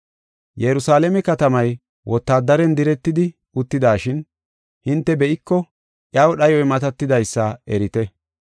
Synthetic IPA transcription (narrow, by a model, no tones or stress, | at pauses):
jɛɾʊsaːlɛmɛkɐt̪ɐmɐj | wʔɔt̪ːaːd̪ɐɾɛnd̪ɪɾɛt̪ːɪd̪ɪ | ʊt̪ːɪd̪aːʃɪn | hɪnt̪ːɛbɛʔɪkːɔ | ʔjaːwɗɐjɔjmɐt̪ɐt̪ːɪd̪ɐjsːɐɛɾɪt̪ɛ